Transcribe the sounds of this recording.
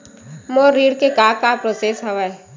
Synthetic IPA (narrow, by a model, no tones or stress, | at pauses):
moːɾiːɽkekaːkapɾoːsesɦɐʋae